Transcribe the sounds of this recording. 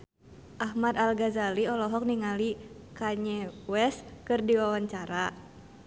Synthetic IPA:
ʔaɦmat̪alɡazaliɔlɔɦɔk̚niŋali | kaɲɛwɛskɨrdiwawaɲt͡ʃaɾa

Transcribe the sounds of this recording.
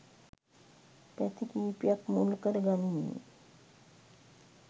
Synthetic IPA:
pɛt̪ʰikipjakmulkəɾɡaninːḭ

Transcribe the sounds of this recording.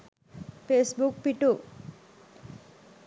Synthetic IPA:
pʰesbuk̚piʈu

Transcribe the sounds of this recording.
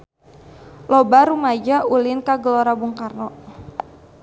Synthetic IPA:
lɔbaɾumad͡ʒaʔulɪnkaɡəlɔɾabuŋkarnɔ

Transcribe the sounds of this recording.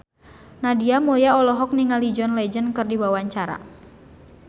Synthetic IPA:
nadiamuljaɔlɔɦɔk̚niŋalid͡ʒɔnlɛd͡ʒənkɨrdibawaɲt͡ʃaɾa̰

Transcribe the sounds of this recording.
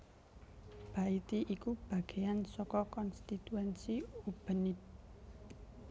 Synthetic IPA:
b̥ä̤it̪iʔikub̥ä̤ɡ̥e̤jansɔkɔkɔnst̪it̪uɛnsiub̥ənɪp̚

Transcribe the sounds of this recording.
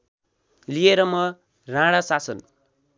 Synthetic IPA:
lijeɾʌmʌ | rãɽasasʌn

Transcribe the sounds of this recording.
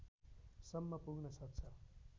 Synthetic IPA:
sʌmːʌpuɡnʌsʌk̚t͡sʰʌ

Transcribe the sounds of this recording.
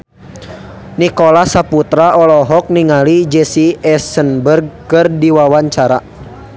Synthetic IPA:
nikɔlasaput̪ɾaʔɔlɔɦɔk̚niŋalid͡ʒɛsiɛsənbərɡ̚kɨrdiwawaɲt͡ʃaɾa

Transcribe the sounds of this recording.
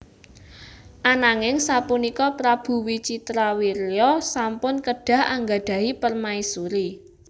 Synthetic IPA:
ʔanaŋɪŋsapunikɔpɾab̥ṳwit͡ʃit̪ɾawiɾjɔsampʊnkəɖ̥ä̤haŋɡaɖ̥a̤ipərmaisuɾi

